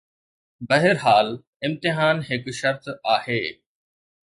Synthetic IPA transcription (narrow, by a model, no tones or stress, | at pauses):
bɐɦɪɾɦaːl | ɪ̃mt̪ɪɦaːnɦɪkʃɐɾt̪aːheː